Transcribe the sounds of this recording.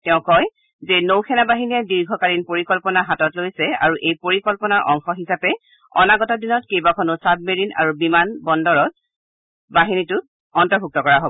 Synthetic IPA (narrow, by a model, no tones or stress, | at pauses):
tɛʊ̃kɔj | zɛnowkʰɛnabaɦinijadiɹɡʱɔkaɹinpoɹikɔlpɔnaɦatɔtlojsɛa̰ɹuʔejpoɹikɔlpɔnaɹʔɔŋxɔɦisapɛ | ɔ̰naɡɔtɔdinɔtkejbakʰɔnʊsab̚meɹinʔa̰ɹubimanbɔndɔɹɔt̚ | baɦinitʊt | ɔntɔɹbʱuk̚tɔkɔɹaɦobɔ